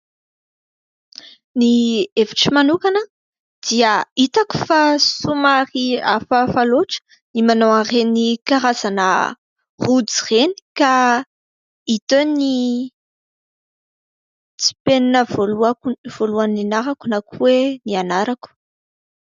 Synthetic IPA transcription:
nieviʈ͡ʂimanukanə | d̪̥iəit̪aku̥fasumaɾiafəfaloʈ͡ʂə̥ | nimanowarenikaɾazanə̰ | rud͡zireni̥ka | it̪oni | t͡si̥peninəvoluakv̥oluaninaɾakunakuwenianaɾaku̥

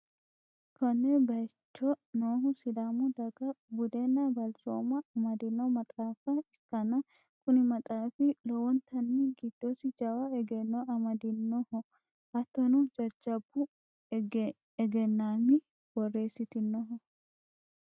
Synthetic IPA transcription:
kɔnːɛbɐjt͡ʃːɔnoːɦʊsɪd̪aːmʊd̪ɐɡɐbʊd̪ɛnːɐbɐlt͡ʃo̰ːmɐɐmɐd̪ɪnːɔmɐt̪ʼaːfɐɪkːɐnɐ | kʊnɪmɐt̪ʼaːfɪlɔwɔnt̪ʰɐnːiɡid̪̥ːoːsɪd͡ʒɐwaɛɡɛnːɔɐmɐd̪ɪnːɔhɔ | ʔɐt̪ːɔnud͡ʒɐɾd͡ʒɐbːʊ | ɛɡɛnːaːmɪ | bɔrːe̞ːsːɪt̪ɪnːɔɦɔ

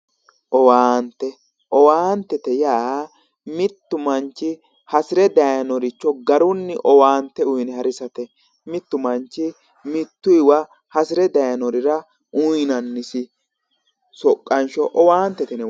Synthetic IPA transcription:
ʔɔwaːnt̪ːɛ | ʔɔwaːnt̪ːɛt̪ɛjaː | mɪt̪ːʊmɐnt͡ʃːɪ | hɐsɪɾɛd̪ɐjɐnɔɾɪt͡ʃːɔɡɐɾʊnːɪʔɔwaːnt̪ːɛʊjnɛhɐɾɪsɐt̪ɛ | mɪt̪ːʊmɐnt͡ʃːɪ | mɪt̪ːʊɪwɐ | hɐsɪɾɛd̪ɐjɐnɔɾɪɾɐ | ʔʊjnɐnːɪsɪ | sɔkʼːɐnʃɔʔɔwaːnt̪ːɛt̪ɛnɛ

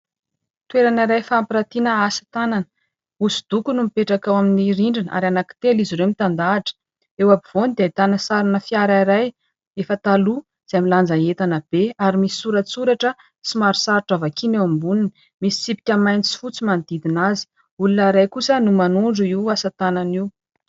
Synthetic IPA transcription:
t̪weɾaniɾajfaampiɾat̪inəasḁt̪ananə̥ | usu̥d̪̥ukunumipeʈ͡ʂakawaminiɾiɳɖ͡ʐina̰ɾanaki̥t̪eliziɾewmit̪and̪aːʈ͡ʂə̥ | ewabiv̥onid̪ait̪anəsaɾinəfiaɾaiɾaj | efət̪alu | z̥ajmiland͡zaet̪anəb̥eaɾimisi̥suɾət͡suɾaʈ͡ʂə | simaɾisaɾʈ͡ʂavakʰinewambunini | misi̥t͡sipi̥kʲəmajnit͡si̥fut͡simand̪̥id̪inazi̥ | ulunaɾajkusənumanuɳɖ͡ʐuiwasat̪ananiw

